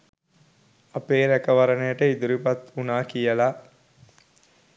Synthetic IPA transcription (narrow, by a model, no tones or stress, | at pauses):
ɐpeːɾækəʋɐɾɐnejəʈəid̪uɾipɐt̪unaːkijəlaː